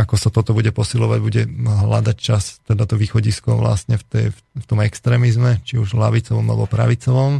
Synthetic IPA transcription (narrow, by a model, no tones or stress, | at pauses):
akɔsat̪ɔt̪ɔbuɟɛpɔsilɔʋaɟbuɟɛɦla̰d̪act͡ʃast̪ɛd̪at̪ɔʋiːxɔɟiskɔʋla̰sɲɛft̪ɛj | ft̪ɔmɛkst̪ɾɛːmizmɛt͡ʃiuʒlaʋit͡sɔʋɔmalɛ̰bɔpɾa̰ʋit͡sɔʋɔm